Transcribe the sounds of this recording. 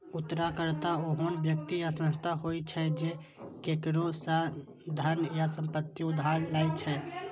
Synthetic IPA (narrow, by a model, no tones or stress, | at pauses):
ut̪ːɾakəɾt̪aoɦənbjəkt̪ijasə̃nst̪ʰaɦojt͡ʃʰɛd͡ʒe | kekɾosa | d̪ʱəɾnjasəmpət̪ːiud̪ʱaɾlat͡ʃʰɛ